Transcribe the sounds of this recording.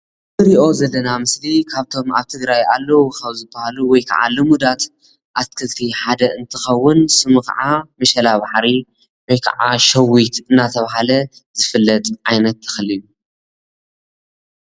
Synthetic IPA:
ɨɾiʔo̞zɐlːɐnamɨslikʰaβt̪ʰo̞ma̰βt̪ʰɨɡɾajalːɐwukʰaβzɨbːɐhaluwɔjkʰa̰ʕa̰lɨmud̪at̪ | ʔat̪kʰɨlt̪ʰiħad̪ɐɨnt̪ʰɨxɐwːʊnsɨmuxa̰ʕamɐʃɐlabaħɾi | wɔjkʰa̰ʕaʃɐwut̪ɨnːat̪ʰɐβaɦalɐzɨfɨlːɐt̪ʼʕajnɐt̪ːɐ̥xɐliju

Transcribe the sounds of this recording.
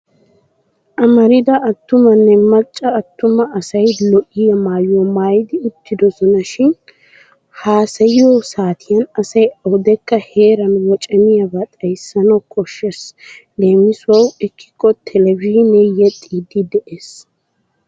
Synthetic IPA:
ʔɐmɐɾɪd̪ɐːt̪ːʊmɐnːɛmɐt͡ʃʼːɐːt̪ːʊmɐɐsɐjlɔʔɪjɐmaːjɔmaːjd̪ɪʊt̪ːɪd̪ɔsɔnɐʃɪn | haːsɐjɪjosaːt̪ʰɪjɐnɐsɐjɐʊd̪ɛkːɐhe̞ːɾɐnwɔt͡ʃʼɐmɪjɐbɐt̪ʼɐjsːɐnɐwkʰɔʃːɛsle̞ːmɪswɐwɪkːɪ̥kːɔt̪ʰɛlɛvɪʒnɛjɛt̪ʼːiːd̪ɪd̪ɛʔeːs

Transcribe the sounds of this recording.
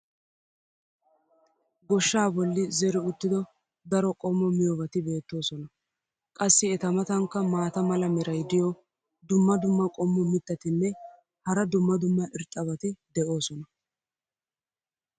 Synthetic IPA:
ɡɔʃːaːbɔlːɪzɛɾɪʊt̪ːɪd̪ɔ | d̪ɐɾɔkʼɔmːɔmɪjɔbɐt̪ɪbe̞ːt̪ːo̞ːsɔnɐ | kʼɐsːɪɛt̪ɐmɐt̪ɐŋkːɐmaːt̪ɐmɐlɐmɛɾɐjd̪ɪjɔ | d̪ʊmːɐd̪ʊmːɐkʼɔmːɔmɪt̪ːɐt̪ɪnːɛ | hɐɾɐd̪ʊmːɐd̪ʊmːɐʔɪɾt̪ʼːɐbɐt̪ɪd̪ɛʔo̞ːsɔnɐ

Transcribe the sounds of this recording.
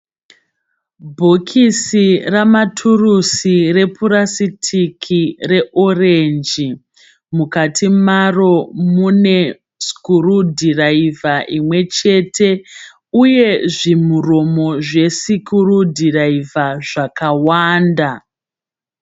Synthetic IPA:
bʱokʰisiramatʰurusire̞puɾasitʰikʰire̞ʔorend͡ʒi | mukatʰimaro̞mune̞ | si̥kuɾudʱiraivaʔimwe̞t͡ʃe̞tʰe̞ | uje̞ʐimuro̞mo̞ʐe̞sikurudʱiraivaʐakawaːnda

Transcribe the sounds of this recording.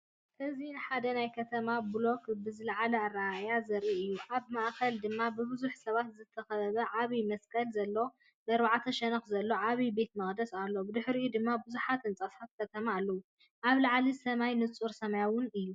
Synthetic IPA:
ʔɨzinħad̪ɐnajkʰɐt̪ʰɐmablo̞kbɨzɨlaʕalɐarːajazɐɾiʔɨjːuʔaβmaʔkʰɐld̪ɨmːabɨbɨzuħsɐβat̪zɨt̪ʰɐxɐɐβɐʕaβimɐskʼɐlzɐlːo̞ | mɐɾβaʕat̪ʰɐʃɛnɐxzɐlːo̞ʕaβibe̞t̪mɐxʼd̪ɐsalːo̞bɨd̪ɨħɾjud̪ɨmːabuzuħat̪ɨnt͡sʼasħat̪̚kʰɐt̪ʰɐmaːlːɐwu | ʔaβlɐʕlisɐmajnɨt͡sʼuɾsɐmajawʊnɨjːu

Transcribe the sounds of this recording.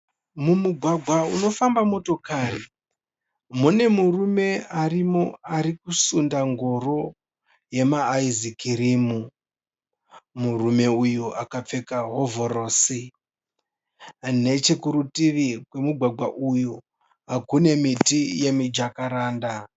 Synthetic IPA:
mumuɡʱwaɡʱwauno̞fambamo̞to̞kaːri | mune̞murume̞arimo̞aɾikusundaŋɡo̞ro̞ | je̞maːizikiɾimu | murume̞ujuʔakap͡fe̞kaɦo̞vo̞ɾo̞ːsi | ne̞t͡ʃe̞kuɾutiʋikwe̞muɡʱwaɡʱwaʔuju | akune̞mitije̞mid͡ʒakaɾaːnda

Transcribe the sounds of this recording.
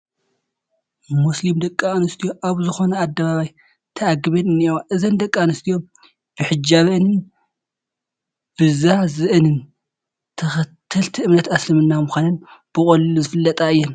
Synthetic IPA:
muslimd̪ɐkʼːanɨst̪ʰijo̞ʔaβzɨxo̞nɐad̪ːɐβaβaj | t̪ʰɐaɡɨβɐnɨnːiwaʔɨzɐnd̪ɐkʼːanɨst̪ʰijo̞m | b̥ɨħɨd͡ʒaβɐnɨn | b̥ɨzazɨʔɨnɨn | t̪ʰɐxɐt̪ʰːɨlt̪ʰiɨmnɐt̪aslɐmɨnːamuxʷanɨnb̥ɨkʼɐlluzɨfɨlːɐt̪ʼaɨjːɛn

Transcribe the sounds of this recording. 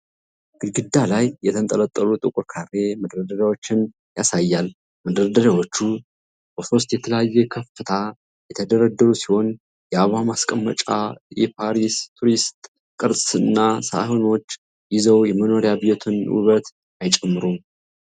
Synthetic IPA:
ɡɨɡɨd̪ːalajːɛt̪ʰənt̪ʼələt̪ʼːəlut̪ʼɨkʼʊɾkʰarːe̞məd̪ɾəd̪ədawo̞t͡ʃːɪn | jasajːalː | məd̪ɾəd̪ədawo̞t͡ʃːu | b̥əso̞st̪jɛt̪ʰələjajːɛkʰəfɨt̪ʰa | jɛt̪ʰəd̪əɾəd̪ːəɾusiho̞n | jɛaβamaskʼəmːət͡ʃʼajɛpʰaɾist̪ʰuɾist̪ʼ | kʼɨɾsʼsɨnːasa̰hono̞t͡ʃː | jɪzəwjɛməno̞ɾjabijo̞t̪ʰɨnṵβət̪ | ajt͡ʃʼɛmːɨɾum

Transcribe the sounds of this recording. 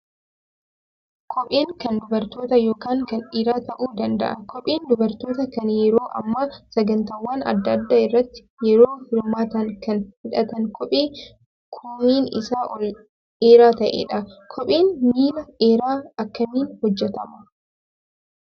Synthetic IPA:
kʰɔpʼeːŋkɐnd̪ʊbɐɾt̪o̞ːt̪ɐjoːkaːŋkɐnᶑɪɾaːt̪ɐʔuːd̪ɐnd̪ɐ̰ʔɐkʰɔpʼeːnd̪ʊbɐɾt̪oːt̪ɐkɐnjɛɾoːʔɐ̰mːɐsɐɡɐnt̪ɐːwːaːnɐ̰d̪ːɐd̪ːaːɪrːɐt̪ːɪ̥jɛɾoːhɪɾmaːt̪ɐŋkɐnhɪᶑɐt̪ɐŋkʰɔpʼeː | kʰʊmːiːnɪ̰saːʔɔl | eːɾaːt̪ɐʔḛːᶑɐkʰɔpʼeːnmiːlɐeːɾaːɐkːɐmiːnhɔd͡ʒːɛt̪ɐmɐ

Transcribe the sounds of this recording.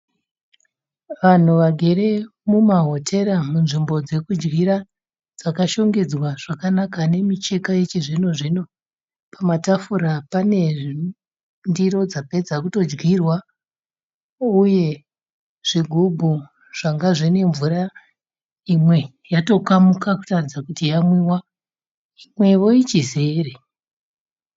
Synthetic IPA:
ʋan̤uʋaɡʱe̞ɾe̞mumaɦo̞tʰe̞ɾamunʐimbo̞d͡ze̞kud͡ʒɡiɾa | d͡zakaʃo̞ŋɡe̞d͡zwaʐ̥akanakane̞mit͡ʃe̞kaet͡ʃeʐino̞ʐino̞ | pamatafuɾapane̞ | ndiɾo̞d͡zape̞d͡zakuto̞d͡ʒɡirwa | uje̞ | ʐ̥iɡʱubʱu | ʐ̥aŋɡaʐine̞ɱvuɾa | imwe̞ | jato̞kamukaku̥tarid͡zakutijamwiwa | imwe̞ʋo̞it͡ʃizeːre

